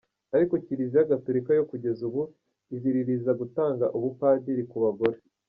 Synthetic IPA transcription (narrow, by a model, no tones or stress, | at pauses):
aɾiko̞ciɾizijaɡatuɾikajo̞kuɟe̞zuβu | iziɾiɾizaɡutaːŋɡaʔuβupaːdiɾikuβaɡo̞ɾe